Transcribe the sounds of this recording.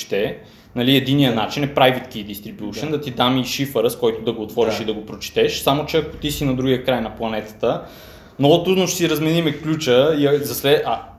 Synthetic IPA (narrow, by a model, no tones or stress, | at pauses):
t̪ɛ | nɐliɛd̪inijənat͡ʃinɛpɾajvit̪kid̪ist̪ɾibʲjuʃənd̪ɐt̪id̪amiʃifəɾəskɔjt̪od̪ɐɡoːt̪vɔɾiʃid̪ɐɡopɾot͡ʃɛ̥t̪ɛʃsamot͡ʃɛɐko̥t̪isinɐd̪ɾuɡiəkɾajnɐplˠɐnɛt̪ə̥t̪ə | mnɔɡʊt̪ɾud̪noʃɛ̥siɾɐzmɛnimɛklʲut͡ʃəiɐzɐsvɛʔɐ